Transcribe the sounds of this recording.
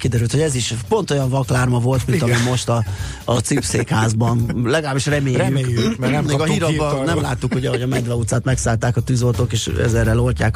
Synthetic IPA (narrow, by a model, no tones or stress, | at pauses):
kid̪ɛɾylt̪ho̞ɟɛziʃpo̞nt̪o̞jɒɱvɒklaːrmɒvo̞lt̪mint̪ɒmimo̞ʃt̪ɒː | t̪sipseːkhaːzbɒnlɛɡɒlaːbiʃrɛmeːjykeːɡɒɦiɾɒɒnɛmlaːt̪ːukhoɟɛɦoɟɒmɛd̪vɛut̪saːt̪mɛksaːlt̪aːkɒt̪yːzo̞lt̪okeːʃɛ̰zɛrɛlolcaːk